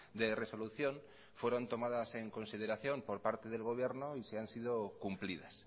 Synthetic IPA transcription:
d̪ere̞so̞luθjõ̞n | fwe̞ɾo̞nt̪o̞mað̞ase̞ŋko̞nsið̞eɾaθjo̞mpo̞ɾpaɾt̪e̞ð̞e̞lɣo̞β̞je̞ɾnoiseansið̞okumpliðas

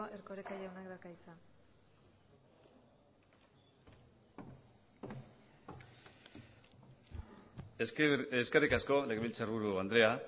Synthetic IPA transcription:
ʔeɾkoɾekajawnakd̪akajt͡sa | eskerikasko̞le̞ɣeβilt͡sarβuɾuand̪ɾe̞a

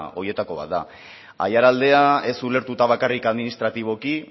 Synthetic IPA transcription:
o̞je̞t̪ako̞β̞a̰t̪̚d̪a̰ | a̰jaɾald̪e̞ae̞sule̞ɾt̪ut̪aβ̞akarikaðminist̪ɾat̪iβ̞o̞ki

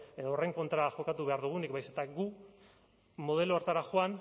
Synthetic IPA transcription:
e̞ðoorejŋko̞nt̪ɾaxo̞kat̪uβe̞aɾðuɣ̞unikbajse̞t̪aɡu | mo̞ðe̞loaɾt̪aɾaxoan

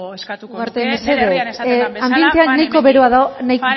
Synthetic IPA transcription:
ɣaɾt̪emeseðeambie̞nt̪e̞anːajko̞βe̞ɾoaðaonajk

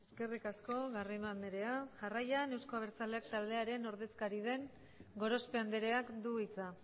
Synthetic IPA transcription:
eeske̞rikasko̞ɣarinand̪eɾe̞aʝarajane̞wsko̞aβeɾt͡saleakt̪ald̪e̞aɾe̞no̞ɾðe̞skaɾið̞e̞ŋ | ɡo̞ɾo̞spe̞and̪eɾe̞akd̪uit͡sa

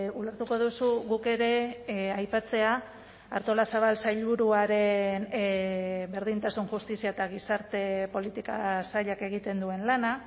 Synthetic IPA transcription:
uleɾt̪uko̞ðusuɣuke̞ɾe̞ajpat͡se̞a | aɾt̪o̞lasaβ̞alsajʎβuɾuaɾe̞n | be̞ɾðint̪asunʝust̪isiaet̪aɣ̞isaɾt̪e̞po̞lit̪ikasaʎake̞ɣ̞it̪e̞nd̪ue̞nlana

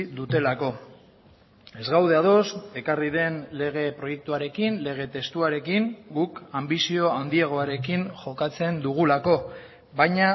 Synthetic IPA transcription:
d̪ut̪e̞lako̞ | e̞zɣawð̞e̞aðo̞se̞kariðe̞nle̞ɣ̞e̞pɾo̞je̞k̚t̪uaɾe̞kinle̞ɣ̞e̞t̪e̞st̪uaɾe̞kiŋɡukambisio̞and̪ieɣ̞o̞aɾe̞kiŋʝo̞kat͡se̞nd̪uɣ̞ulako̞ | βajɲa

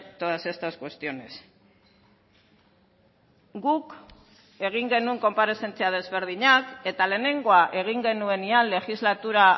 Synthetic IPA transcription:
t̪oðase̞st̪askwe̞st̪io̞ne̞s | ɡuk | e̞ɣ̞iŋɡe̞nueŋko̞mpaɾe̞se̞nt͡seað̞e̞zβe̞ɾðiɲake̞t̪ale̞ːne̞ŋɡo̞aʔe̞ɣ̞iŋɡe̞nue̞nianle̞xizlat̪uɾa

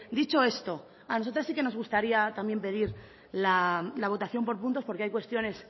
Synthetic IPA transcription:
d̪it͡ʃo̞e̞st̪o̞ | anos̬o̞t̪ɾasike̞no̞zɣ̞ust̪aɾiat̪ambje̞mpe̞ðiɾ | lalaβ̞o̞t̪aθjo̞mpo̞ɾp̬unt̪o̞spo̞ɾkeajkwe̞st̪jo̞ne̞s

